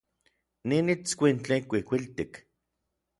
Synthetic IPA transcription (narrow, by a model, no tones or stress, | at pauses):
ninit͡skʷint͡ɬekʷikʷilt̪ik